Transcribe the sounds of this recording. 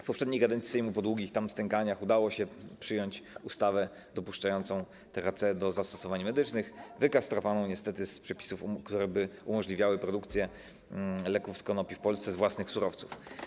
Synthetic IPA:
fpɔpʂɛd̪ɲijɡad̪ɛnt̪isɛjmupɔd̪wuɡʲixt̪amst̪ɛŋkaɲaxud̪awɔɕɛpʂɘjɔɲt͡ɕust̪avɛ | d̪ɔpuʂt͡ʂajɔnt̪sɔ̃w̃ | t̪ɛɾat̪sɛd̪ɔzast̪ɔ̥sɔvaɲmɛd̪ɘt͡ʂnɘxvɘkast̪ɾɔvanɔ̃w̃ɲɛst̪ɛt̪ɘspʂɛpʲi̥sufkt̪uɾɛbɘumɔʐlʲivʲjawɘpɾɔd̪ukt̪sʲjɛ | lɛkufskɔnɔpʲifpɔlst̪sɛzvwasnɘxsuɾɔft̪suf

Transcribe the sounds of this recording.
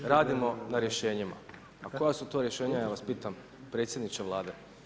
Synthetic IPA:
ɾaːd̪imo̞naɾjeʃe̞ːɲima̰ | ako̞jasut̪o̞ɾjeʃe̞ːɲajaːʋaspiːt̪am | pɾet̪sjed̪nit͡ʃeʋlˠaːd̪e̞

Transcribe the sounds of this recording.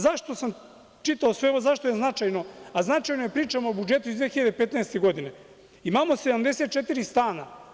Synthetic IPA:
zaʃt̪o̞sam | t͡ʃit̪aosʋe̞oozaʃt̪o̞jeznat͡ʃajno̞aznat͡ʃajnojepɾiːt͡ʃamoobud͡ʒe̞t̪uizd̪ʋexiʎad̪epet̪naest̪eɡo̞d̪ine | imamo̞sed̪amd̪e̞set̪̚t͡ʃet̪iɾist̪aːna

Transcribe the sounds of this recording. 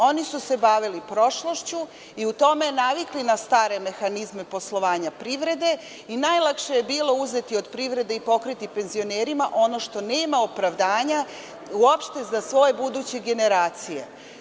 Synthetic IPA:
o̞nisuse̞baʋilipɾo̞ʃloʃt͡ɕu | iut̪o̞me̞naʋiklinast̪aːɾe̞me̞xanizme̞po̞slˠo̞ʋaːɲapɾiʋɾe̞d̪e̞ | inajlˠakʃe̞jebiːlo̞uze̞t̪io̞d̪pɾiʋɾe̞d̪eipo̞kɾit̪ipe̞nzio̞neːɾimaʔo̞no̞ʃt̪o̞neːmaopɾaʋd̪aːɲa | uopʃt̪e̞zasʋo̞je̞bud̪uːt͡ɕeɡe̞ne̞ɾaːt̪sije̞̰

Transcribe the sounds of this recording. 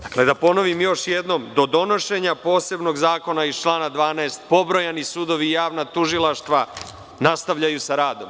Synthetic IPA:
d̪akle̞d̪apo̞no̞ʋimjo̞ʃjed̪no̞md̪o̞d̪o̞no̞ʃe̞ɲapo̞ːse̞bno̞ɡzaːko̞nait͡ʃlˠaːnad̪ʋaːnaest̪̚po̞bɾo̞janisuːd̪o̞ʋijaːʋnat̪uʒilˠaʃt̪ʋa | nast̪aʋʎajusaɾaːd̪o̞m

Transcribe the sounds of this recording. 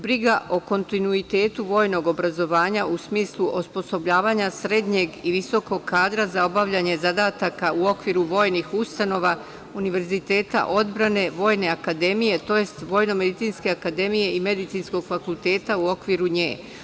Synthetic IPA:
bɾiɡaʔo̞ko̞nt̪inuit̪e̞ːt̪uʋo̞jno̞ɡo̞bɾazo̞ʋaːɲausmiːslˠuʔospo̞so̞bʎaːʋaːɲasɾe̞d̪ɲe̞ɡiʋiso̞ko̞ɡkʰːaːd̪ɾazao̞baʋʎaɲe̞zad̪aːt̪akauo̞kʋiɾuʋo̞ːjnixust̪ano̞ʋa | uniʋe̞ɾzit̪e̞ːt̪a̰ʔo̞d̪bɾane̞ʋo̞ːjne̞akad̪e̞mije̞t̪o̞je̞st̪ʋo̞ːjno̞me̞d̪it̪sinske̞akad̪e̞mije̞ime̞d̪it̪sinsko̞ɡ̥fakulˠt̪e̞ːt̪auo̞kʋiɾuɲḛː

